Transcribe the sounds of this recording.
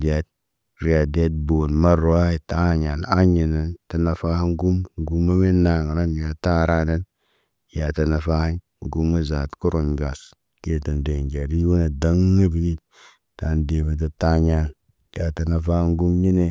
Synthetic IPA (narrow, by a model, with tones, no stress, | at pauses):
di˨a˨t̚ | ɾi˨a˨de˦t̚bo˨nma˦ɾo˦a˦i˨ta˦˨ɲa˨n˨a˦ɲi˨na˨nta˨na˨fa˦ha˦nɡu˦mɡu˦ma˦me˦na˨ŋ˨na˦n˨ja˨ta˦˨ɾa˦na˦n | ja˨ta˨na˨fa˦ha˦n˨ | ɡu˦ma˦za˨tku˦ɾo˨nɡa˨s | ke˨to˨nde˨nd͡ʒa˨ɾi˦wo˦na˨da˦ŋa˦bi˦li˦ | ta˨n˦de˨be˨d̬o˨ta˦ɲa˨n | ja˨ta˨na˨fa˦ŋ˦ɡu˦mɲi˦ne˨